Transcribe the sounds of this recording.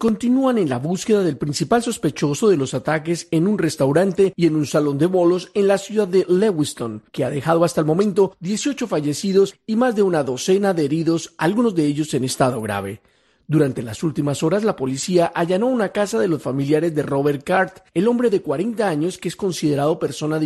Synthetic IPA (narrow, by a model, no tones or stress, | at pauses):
ko̞nt̪inuane̞nlaβuske̞ðaðe̞lpɾinsipalso̞spe̞t͡ʃo̞so̞ðe̞lo̞sat̪ake̞se̞nunre̞st̪awɾant̪e̞ie̞nunsalo̞nd̪e̞βo̞lo̞se̞nlasjuðaðːe̞lewist̪o̞ŋkeaðe̞xað̞o̞ast̪aelmo̞mẽ̞nt̪o̞ðje̞sjo̞t͡ʃo̞faʝe̞siðo̞simazd̪e̞unaðo̞se̞naðeeɾiðo̞salɡuno̞zðe̞eʝo̞se̞ne̞st̪aðo̞ɣɾa̰βe̞̰ | d̪uɾant̪e̞lasult̪imaso̞ɾazlapo̞lisiaʔaʝano̞unakasaðe̞lo̞sfamiljaɾezd̪e̞ro̞βe̞ɾ̚kaɾt̪e̞lo̞mbɾeðe̞kwaɾe̞nt̪aaɲo̞skeesko̞nsiðe̞ɾaðo̞pe̞ɾso̞nað